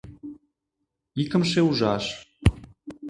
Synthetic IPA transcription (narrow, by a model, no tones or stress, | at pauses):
ikə̆mʃ̬euʒɑʃ